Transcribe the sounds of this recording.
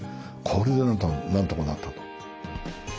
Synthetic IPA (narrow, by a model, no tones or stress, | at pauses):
kʰoɾid̪enanant̪okonat̪ʰːat̪o̥